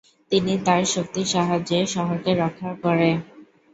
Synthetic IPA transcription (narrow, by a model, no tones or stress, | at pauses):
t̪init̪aɾʃok̚t̪iʃaɦad͡ʑeʃɔɦokeɾɔkʰakoɾe